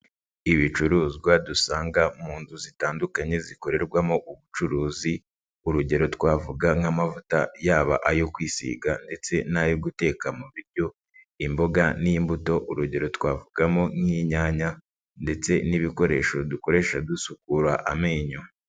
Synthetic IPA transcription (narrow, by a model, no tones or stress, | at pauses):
iβit͡ʃuɾuːziɡwadusaːŋɡamuːnduzitaːndukaɲe̞ziko̞ɾe̞ɾɡwamoʔuβut͡ʃuɾuːzi | uɾuɟe̞ɾo̞twaːvuɡaŋhamavutajaːβa̰ʔajo̞kwiːsḭːɡande̞t͡se̞najoɡute̞ːkamuβiɾɟo̞ | imbo̞ɡanimbuto̞ʔuɾuɟe̞ɾo̞twaːvuɡamoŋiɲaːɲa | nde̞t͡se̞niβiko̞ɾe̞ːʃo̞duko̞ɾe̞ʃadusukuɾaʔameːɲo